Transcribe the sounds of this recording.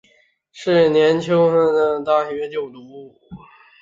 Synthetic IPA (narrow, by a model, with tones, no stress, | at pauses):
ʂɻ̩˥˩njɛ˧˥nt͡ɕʰi˥ŋxə˥˩d̪ə˧˩t̪a˥ɕɛ˧˩ɥɛ˧˥t͡ɕjo˥˩ʊt̪u˧˥